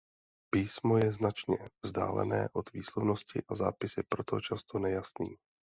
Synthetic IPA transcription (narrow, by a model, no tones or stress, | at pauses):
piːsmo̞jɛznat͡ʃɲɛvzda̰ːlɛ̰nɛ̰ːʔo̞d̪viːslovno̞scɪ̰ʔaza̰ːpɪsjɛpɾot̪o̰t͡ʃast̪onɛjasniː